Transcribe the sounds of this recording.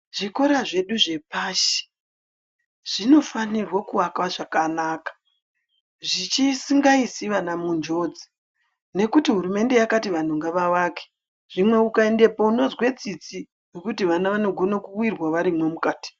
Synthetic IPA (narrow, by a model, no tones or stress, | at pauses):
ʐ̥iko̞ɾaʐe̞ɗuʐe̞paʃi̥ | ʐ̥ino̞fanirwakuwakwaʐakanaːkḁ | ʐit͡ʃisiŋɡaisiʋanamund͡ʒo̞d͡zi̥ | ne̞kutiɦuɾume̞nde̞jakatiʋan̤uŋɡaʋaʋaːke̥ | ʐ̥imwe̞ukae̞nde̞po̞uno̞zwe̞t͡sit͡si | wekutiʋanaʋano̞ɡʱo̞nakuwirwaʋaɾimwe̞mukaːti̥